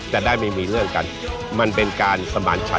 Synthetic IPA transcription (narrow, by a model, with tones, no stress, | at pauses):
t̪ɛː˨˩daː˥˩jma˥˩miː˧ɾɯ˥˩əŋka˧n | ma˧npe˧nkaː˧nsa˧ma̰ː˨˦nt͡ɕʰa̰˦˥